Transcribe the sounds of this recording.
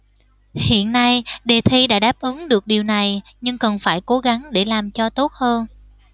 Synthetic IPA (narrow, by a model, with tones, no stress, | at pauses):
hḭ˧˨ənːa˧jɗe˨˩t̪ʰi˧ɗa̰ː˧˥ɗaː˦˥p̚ʔɨ˨˦ŋɗɨ˨˩ək̚ɗi˨˩wna˨˩jɲɨ˧ŋkə˨˩nfaː˧˩jko˨˦ɣa˨˦ŋɗe˧˩laː˨˩mt͡ɕɔ˧t̪o˦˥t̚həː˧n